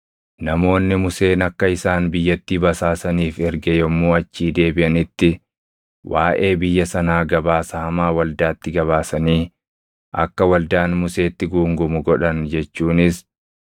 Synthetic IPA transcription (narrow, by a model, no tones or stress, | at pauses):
nɐmo̞ːnːɪmʊse̞ːnɐkːɐɪsaːnbɪjːɐt̪ːiːbɐsaːsɐniːfɛɾɡɛjɔmːuːɐt͡ʃːiːd̪e̞ːbɪʔɐnɪt̪ːɪ | wʔaːʔe̞ːbɪjːɐsɐnaːɡɐbaːsɐɐmaːwɐld̪aːt̪ːɪɡɐβaːsɐniː | ʔɐ̰kːɐwɐld̪aːnmʊse̞ːt̪ːɪɡuːŋɡʊmʊɡɔᶑɐnd͡ʒɛt͡ʃːuːnɪs